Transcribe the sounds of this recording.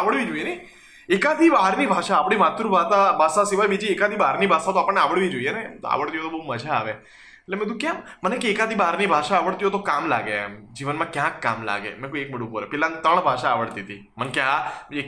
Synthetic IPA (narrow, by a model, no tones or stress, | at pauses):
aʋəɭʋid͡ʒoijenej | ekad̪ʱibaɦɾnibʱaʃaːpɽ̃imat̪ɾũbʱat̪abʱasasiʋajbid͡ʒiekad̪ʱibaɦɾnibʱasãt̪oapəɳːneaʋəɭʋid͡ʒoijenemt̪a̰ʋəɭt̪iɦot̪obəɦuməd͡ʒʱaːʋe | etlemɛ̃d̪ũkjɛmmənekeːkad̪ʱibaɦəɾnibʱaʃaːʋəɭt̪iɦot̪okamla̰ɡemd͡ʒiʋənmãkjãkːa̰mla̰ɡḛmɛ̃koiek̚məɽũpoɾḛpɛlãnt̪əɳ̃bʱaʃaːʋəɭt̪it̪ʰi | mənkjãe